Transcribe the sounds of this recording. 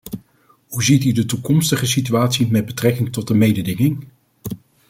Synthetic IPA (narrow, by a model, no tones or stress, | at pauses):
ɦuzitydətukɔmstəχəsityaːtsimɛd̚bətrɛkɪŋtɔt̚dəmejdədɪŋɪŋ